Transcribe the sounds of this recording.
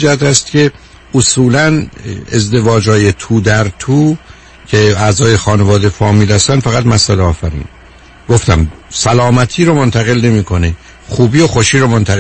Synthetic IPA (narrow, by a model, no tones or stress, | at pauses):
d͡ʒæhæt̪æst̪cʲʰe̞ | osuːlænezd̪e̞vɒːd͡ʒhɒːje̞t̪ʰuːd̪æɾt̪ʰuː | cʰeæzɒːje̞xɒːne̞vɒːd̪efɒːmiːlhæst̪ænd̪fæɣæt̪mæsæleɒːfæɾḭːn | ɡ̥o̞ft̪æmsælɒːmæt̪ʰiːɾomont̪ʰæɣe̞lne̞miːkʰo̞ne | xuːbiːoxoʃiːɾomo̞nt̪ʰæɣe